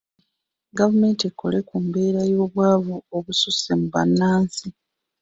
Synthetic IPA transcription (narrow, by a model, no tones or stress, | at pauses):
ɡavume̞ːntekːo̞̰le̞kumbe̞ːɾajo̞ːβwaːβuoβususemuβa̰nːaːnsi